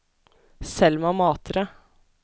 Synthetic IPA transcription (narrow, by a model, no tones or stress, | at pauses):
sɛlmɛɑmɑːt̪ʰɾə